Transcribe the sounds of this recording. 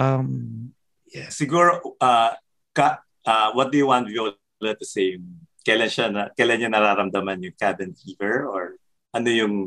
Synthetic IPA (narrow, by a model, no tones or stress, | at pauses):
ʔɐm | jɛsɪɡuɹoʔɐ | kɐ | ʔɐwɐt̪̚d̪ujʊwant̪̚vjo | lɐd̪ɐsejmkɐjlɐnʃanɐkɐjlanɲanɐɾaːɾɐmd̪ɐmanjʊŋkabɛnfiːvɛɹʔoɹ | ʔɐnojʊŋ